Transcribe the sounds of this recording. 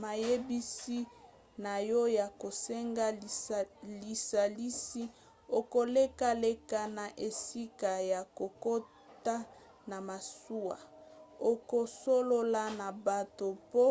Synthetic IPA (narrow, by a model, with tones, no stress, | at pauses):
ma˨je˦bi˦si˦ | na˨jɔ˦ja˨ko˨sɛ˦ŋɡa˦˨li˨sa˨li˦si˦ | o˨ko˨le˦ka˦le˦ka˦na˨ʔe˨si˦ka˨ja˨ko˨ko˦ | ta˦ | na˨ma˨su˦a̰˨o˨ko˨so˦lo˦la˦na˨ba˨to˨po˦